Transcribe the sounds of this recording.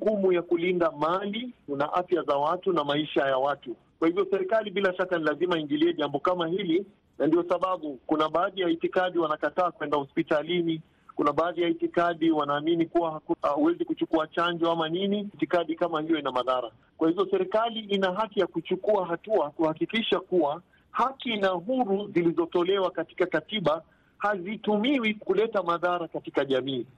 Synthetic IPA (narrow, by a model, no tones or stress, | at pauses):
ukumujakulindamalikunaʔafjazawatunamaiʃajawatu | kwahivjɔsɛɾɛkaliɓilaʃakanilazimaiŋɡiliɛʄambɔkamahili | nandiɔsaɓaɓukunaɓaːðijaitikaɗiwanakataːkwɛndahɔspitalini | kunaɓaːðijaitikaɗiwanaːminikuwaahuwɛzikut͡ʃukuat͡ʃand͡ʒɔamaninitikaɗikamahijɔinamaðaɾa | kwahivɔsɛɾɛkaliʔinaɦakijakut͡ʃukuaɦatuakuhakikiʃakuwa | hakinaɦuɾuzilizɔtɔlɛwakati̥kakatiɓa | hazitumiwikulɛtamaðaɾakatikaʄamiː